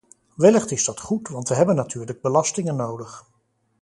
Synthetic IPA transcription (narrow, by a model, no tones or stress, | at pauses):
ʋɪləχtɪzdɑtχutʋɑntʋəɦɛbənːatʰyːɹləɡ̚bəlɑstɪŋənːowdəχ